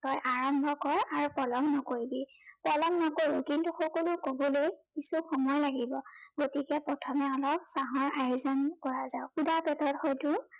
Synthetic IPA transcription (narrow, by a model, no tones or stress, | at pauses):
tɔjʔaɹɔmbʱɔkɔɹaɹupɹɔlɔmnɔkoɹibi | pɔlɔmnɔkoɹũkintuxɔkolukobɔlejkisukʰɔmɔɹlaɡibɔɡotikɛpɹɔtʰɔmɛɔlɔb̚saɦɔɹajuzɔnkɔɹazaʊxudapɛtɔtxɔjtʊ